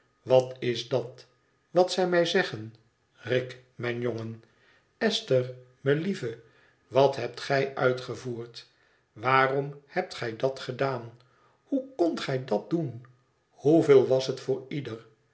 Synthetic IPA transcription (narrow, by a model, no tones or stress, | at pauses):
ʋɑtɪzdɑt | ʋɑtsɛjmɛjzɛχən | rɪk | mɛjnjoŋən | ɛstər | məlivə | ʋɑtɦɛp̚tχɛjʔœɥtχəvuːrt | ʋaːrɔmhɛp̚tχɛjdɑtχədaːn | hukɔntχɛjdɑt̚dun | huvelˠʋɑsətfʊːɹidər